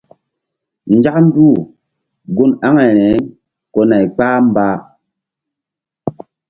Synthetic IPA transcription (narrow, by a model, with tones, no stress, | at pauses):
n̩˨˦d͡ʒa˦kn̩˦du˦˨ | ɡu˦na˦ŋe˨ɾɛ˨˦ | kɔ˦na˨i˨k͡pa˦m˦ba˦